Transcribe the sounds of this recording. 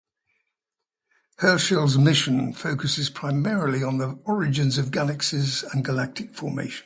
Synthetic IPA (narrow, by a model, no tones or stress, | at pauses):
hɜːˑʃɪlˠzmɪʃə̃nfəʊkəsɪz̥pʰɹ̥aɪmɛːɹəliə̃nðiɒɹɪd͡ʒɪ̃nzəvɡaləksɪzə̃nɡəlak̚tʰɪkfɔːmḛɪʃə̃n